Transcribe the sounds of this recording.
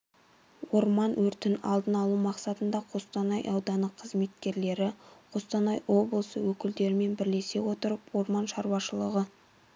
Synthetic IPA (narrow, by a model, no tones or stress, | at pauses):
wo̞ɾmɑnwɵɾt̪ɪnɑ̰lˠd̪ənɑlˠumɑqsɑt̪ənd̪ɑqʰo̞st̪ɑnɑjʔɑwd̪ɑnəqʰːəzme̞t̪kʲe̞ɾle̞ɾɪqʰost̪ɑnɑjwo̞blˠəsəwɵkʲɪld̪e̞ɾɪme̞nbɪɾle̞se̞wo̞t̪əɾəpwo̞ɾmɑnʃɑɾwɑʃəlˠəʁə